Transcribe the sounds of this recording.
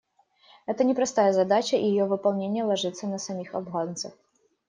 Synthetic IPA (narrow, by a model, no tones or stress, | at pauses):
ɛt̪ənʲɪpɾɐst̪ajəzɐd̪at͡ɕəʔijɪjovɨpɐlˠnʲenʲɪjəlˠɐʐɨt̪sːənəsɐmʲixɐ̰bɣant̪sə̰x